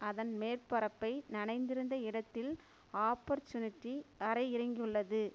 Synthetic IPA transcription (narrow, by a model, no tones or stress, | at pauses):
ɐðɐnmeːrpɐɾɐpːɐɪnɐnɐɪnd̪ɪɾɯnd̪ɐɪɽɐt̪ːɪl | aːpːɐɾt͡ʃuːnɪʈːiɐɾɐɪɪrɐŋɡɯɭːɐðɯ